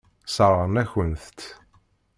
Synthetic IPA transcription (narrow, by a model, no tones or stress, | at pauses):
səɾˤəˤnæçənθt̪